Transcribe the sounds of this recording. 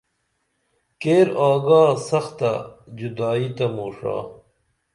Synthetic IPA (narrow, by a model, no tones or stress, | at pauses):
keːɾaːɡaːsɐxt̪ɐd͡ʑud̪aːit̪ɐmoːʂa̰ː